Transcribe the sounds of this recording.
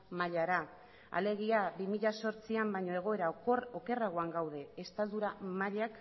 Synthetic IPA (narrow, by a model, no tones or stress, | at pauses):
maʎaɾa | a̰le̞ɣ̞iabimiʎaso̞ɾt͡siambajɲo̞e̞ɣ̞o̞e̞ɾaoke̞raɣ̞o̞aŋɡawð̞e̞ːst̪ald̪uɾamaʎak